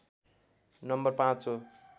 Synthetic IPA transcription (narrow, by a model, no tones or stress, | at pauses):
nʌmbʌrpãt͡so